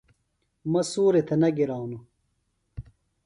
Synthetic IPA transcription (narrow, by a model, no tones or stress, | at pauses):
mɐsuːɾet̪ʰɐnɐɡiɾaːwnu